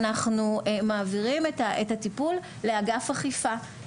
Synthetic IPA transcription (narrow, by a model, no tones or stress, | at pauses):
naχnumaːviʁimetaʔetatipul | leaɡafhaχifa